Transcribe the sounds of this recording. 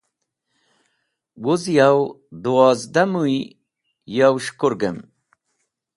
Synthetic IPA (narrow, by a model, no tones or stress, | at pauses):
wuzjaw | d̪uwaːzd̪amuj | jawʃkuɾɡəm